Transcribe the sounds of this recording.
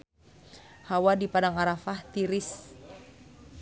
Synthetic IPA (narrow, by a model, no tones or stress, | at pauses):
hawadipadaŋaɾafaht̪iɾɪs